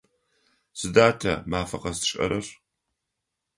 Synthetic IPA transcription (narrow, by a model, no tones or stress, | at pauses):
sɨdaːtʰɐ̰maːfɐqɐstʰʃʼɐ̰ɾɐr